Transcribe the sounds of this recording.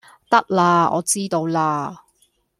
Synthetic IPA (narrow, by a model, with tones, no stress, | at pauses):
t̪ɐ˥k̚laː˧ɔ̰ː˨˧t͡siː˥t̪o˧wlaː˧